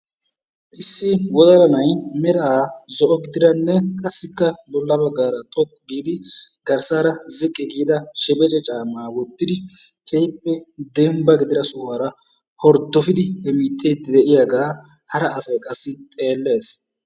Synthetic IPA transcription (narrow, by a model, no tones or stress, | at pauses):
ʔɪsːɪwɔd̪ɐlɐnɐjmɛɾɐaːzɔʔɔɡɪd̪ɪɾɐnːɛkʼɐsːɪkːɐbɔlːɐbɐɡːaːɾɐt̪ʼɔkːɡiːd̪ɪɡ̥ɐɾsaːɾɐzɪkʼːɛɡiːd̪ɐʃɛbʼɛt͡ʃʼɛt͡ʃʼaːmːaːwɔd̪ːɪd̪ɪt̪ʰejpːɛd̪ɛmbɐɡɪd̪ɪɾɐsʊwaːɾɐ | hɔɾd̪ɔfɪd̪ɪhɛmiːt̪ːeːd̪ːɪd̪ɛʔɪjaːɡaː | hɐɾɐʔːsɐjkʼɐsːɪt̪ʼe̞ːlːe̞ːs